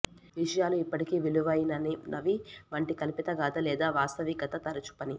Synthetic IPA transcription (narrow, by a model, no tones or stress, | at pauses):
ʋiʂɐjaːluipːɐʈikiːʋiluʋɐjinɐninʔɐʋiʋɐɳʈikɐlipit̪ɐɡaːd̪ɐlɛːd̪aːʋaːst̪ɐʋikɐt̪ɐt̪ɐɾɐt͡ʃu̥pɐni